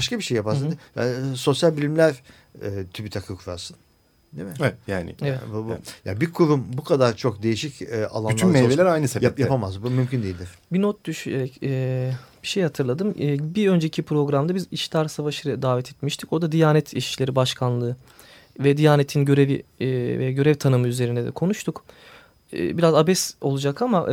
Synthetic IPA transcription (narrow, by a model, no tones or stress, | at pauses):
baʃkabiʃejːapaɾsd̪ja̰so̞sjalʲbilʲimlʲæɾ | ɛt̪ʰybit̪ʰakʰɯkʰuɾa̰ɾsɯn | d̪emɪjaːnɪ̰evɛt̪bubuja̰bikʰuɾumbukʰad̪aɾt͡ʃʰo̞k̚d̪e̞jiʃicːa̰lˠannˠamelelʲæɾajnɯseajapʰamazbumymcʰynd̪ejilʲd̪ɪɾ̥binot̪̚d̪yʃyneɾɛcɛːb̥iʃejhat̪ʰɯɾlˠad̪ɯmːbiø̞nd͡ʒecʰipɾo̞ɡɾamd̪abiziʃlʲaɾsavaʃɯɾad̪aːvɛt̪ʰɛt̪miʃt̪ʰi̥co̞d̪ad̪ijaːnɛt̪ʰiʃi̥ʃlʲe̞ɾibaʃkʰanlˠɯː | vɛd̪ijaːnet̪ʰinɟø̞ɾe̞vḭvɛɟø̞ɾɛvt̪ʰanɯmɯyzeɾind̪ɛd̪ɛ̰kʰo̞nuʃt̪ʰukː | biɾazabɛso̞lˠud͡ʒakamaʔ